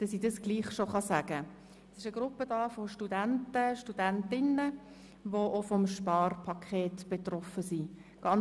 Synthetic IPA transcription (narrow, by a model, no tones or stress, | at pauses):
d̥ɑsidɑsɡ̥liːχʃoχɑsæːɡ̥ə | ɛsɪʃəɡ̥rʊpːəd̥ɑːfoʃtudæntəʃtud̥æntɪnə | ʋoʔofɔmʃpɑːrpʰɑkʰeːtb̥et̪rɔfəsiɡ̥ɑn